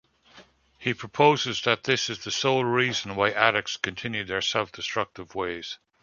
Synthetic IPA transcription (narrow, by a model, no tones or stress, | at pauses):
hipʰɹ̥əpʰoʊzɪzðət̪̚ðɪsɨzðəsoʊlˠɹiːzə̃n̩waɪʔæɾɨk̚tskʰə̃ntʰɪ̃njʉðə˞sɛlˠfd̥ɨstɹ̥ʌk̚tɪvweɪz̥